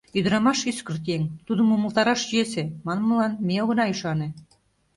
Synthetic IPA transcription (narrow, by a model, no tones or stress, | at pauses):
yd̪̆ɾɑmɑʃyskə̆rt̪eŋt̪ud̪ə̆muməlˠt̪ɑɾɑʃʑiesemɑn̆mə̆lˠɑnmʲeoɣɤ̆nɑiʃɑnĕ